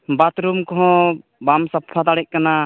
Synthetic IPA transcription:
bat̪ɾumkɔɦɔ̃bamsapʰat̪aɽɛcʔ̚kana

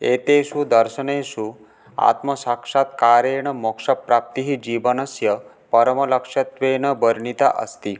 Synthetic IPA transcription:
et̪esud̪ɐɾʃəɳesu | a̰t̪mɐsakʂat̪kaːɾeɳ̃ɐmokʂɐpɾap̚t̪iɦid͡ʒiʋənɐsjɐ | pɐɾɐmɐlɐkʂɐt̪ʋeːɳ̃əbəɾɳit̪a̰ʔɐ̰st̪i

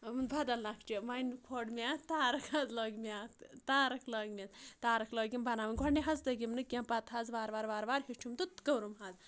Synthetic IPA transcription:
mnbʱɐd̪ɐllakʰt͡ʃimɐjnkʰoːɖmʲaːt̪aːɾɐkʰhazloːɡmiat̪aːɾɐkʰloːɡmʲezt̪aːɾɐkʰloːɡʲimbɐnaːʋɐnʲɡʱɔɽniɦazt̪ɐɡimnɨkʲampɐt̪ɦazʋaːɾʋaːɾʋaːɾʋaːɾɦit͡ʃʰumt̪ut̪kəwɾumɦaz

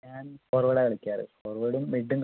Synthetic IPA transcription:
ɲaːnfoːrʋɐɽɐkɐɭikʲːaːɾɨ̰foːrʋɐɽumːiɖːumk

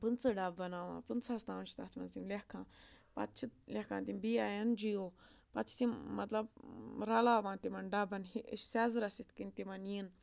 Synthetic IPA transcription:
pɨnt͡sɨɖabːɐnaːʋã̰ːpɨnt͡sast̪ãːʋnt͡ʃʰt̪at͡ʃ̪ʰmɐnzimlekʰãːpɐ̰t̪t͡ʃʰilʲekʰãːt̪imbiaːjɐnd͡ʒioːpɐt̪t͡ʃʰt̪immɐt̪lɐbɾɐlaːʋãːnt̪imɐnɖɐbɐnɦiʃsɛːzɾɐsit̪ʰkint̪imɐniːn

